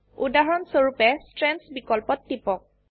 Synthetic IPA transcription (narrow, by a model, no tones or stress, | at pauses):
udaɦɔɹɔnsoɹupɛstɹɛnsbikɔlpɔtːipɔk̚